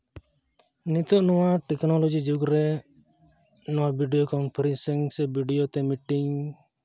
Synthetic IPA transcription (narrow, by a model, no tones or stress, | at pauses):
nit̪ɔʔnɔwaʈɛknɔlɔd͡ʒid͡ʒuɡɾɛ | nɔwabʱiɖijɔkɔnpʰaɾɛnsɛŋsɛbiɖijot̪ɛmiʈiɲ